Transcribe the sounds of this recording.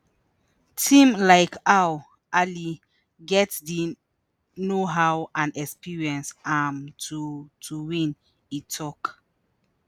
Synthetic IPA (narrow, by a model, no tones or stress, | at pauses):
tʰĩmlaɪkʰaw | ʔali | ɡɛtdi | noɦawãnɛkspiɹiɛ̃nsamtʰutʰuwĩn | itʰɔk